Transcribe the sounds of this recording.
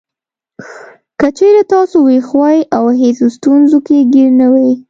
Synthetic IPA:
kət͡ʃeɾat̪ɑsowexwɑjʔawɦesost̪unzokeɡiɾnawej

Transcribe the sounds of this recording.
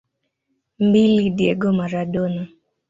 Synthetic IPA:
mbilidjḛɡomaɾadonɔ

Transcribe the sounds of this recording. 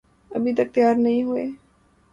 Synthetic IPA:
ɐbʱit̪ɐk̚t̪ɪjaːɾnɐɦĩɦʊeː

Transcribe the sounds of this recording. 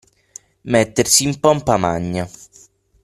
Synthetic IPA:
mɛt̪ːersiːmpɔmpamaɲːa

